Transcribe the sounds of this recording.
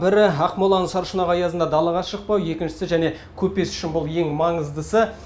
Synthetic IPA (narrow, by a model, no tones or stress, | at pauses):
bɪɾɪɑqmolˠɑnəɴsɑɾʃənɑʁɑjɑzənd̪ɑd̪ɑlˠəʁɑsʃəq̚pɑwje̞kʲɪnʃɪ̥sɪʒæne̞ | kʲʰɵpːe̞sʏ̥ʃɪnbʊlˠje̞ŋmɑɴəzd̪əsə